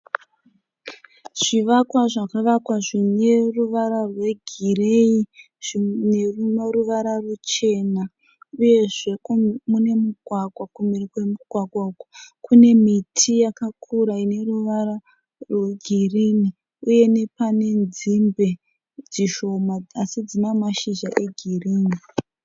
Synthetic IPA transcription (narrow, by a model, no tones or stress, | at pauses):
ʐ̥iʋakwaʐakaʋakwaʐine̞ruʋaɾarwe̞ɡʱirei | ʐinerumeɾuʋaɾarut͡ʃe̞na | uje̞ʐe̞kmune̞muɡʱwaɡʱwakumirikwe̞muɡ̥ʱwaɡʱwauku̥kune̞mitʰijakakʰuɾaine̞ruʋaɾa | rweɡʱirini | uje̞ne̞pane̞nd͡zimbe̞ | d͡ziʃo̞mad͡zasid͡zinamaʃiʒaʔe̞ɡʱiriːni